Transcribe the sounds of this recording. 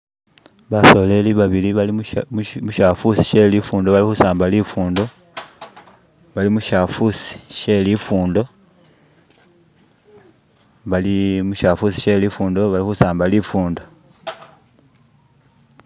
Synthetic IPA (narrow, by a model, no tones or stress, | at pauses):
βaso̞le̞liβaβiliβalimmuʃafusi̥ʃe̞lifuːndo̞βalixusaːmbalifuːndo̞ | βalimuʃafusi̥ʃe̞lifuːndo̞ | βalimuʃafusi̥ʃe̞lifuːndoβalixusaːmbalifuːndo̞